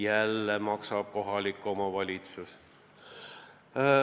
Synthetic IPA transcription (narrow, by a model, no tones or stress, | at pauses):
jælːemɑksɑb̥̚ko̞ɦɑlikːˑomɑʋɑlʲit̪sus